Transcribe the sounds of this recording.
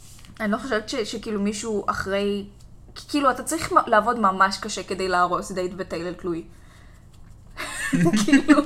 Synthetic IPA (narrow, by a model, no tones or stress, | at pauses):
anilo̞χoʃevetʃeʃekiːlumiʃuʔa̰χʁe̞jki̥kiːluatat͡saʁiχmlaːvo̞dmamaʃkaʃeke̞d̪e̞jleaʁo̞sd̪ejtbet̪ejleltluj | kʰiilu